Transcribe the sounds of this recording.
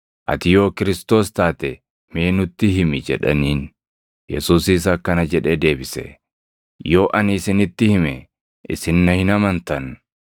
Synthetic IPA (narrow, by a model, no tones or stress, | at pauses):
ʔɐ̰t̪ɪjo̞ːkɪɾɪst̪o̞ːst̪aːt̪ɛ | meːnʊt̪ːɪɦɪmɪd͡ʒɛ̰ᶑɐ̰niːn | jɛsuːsɪs̬ɐkːɐnɐd͡ʒɛᶑeːd̪e̞ːbɪsɛ̰ | jo̞ːʔɐnisɪnɪt̪ːɪhɪmɛ | ʔɪ̰sɪnːɐhɪnɐmɐnt̪ɐn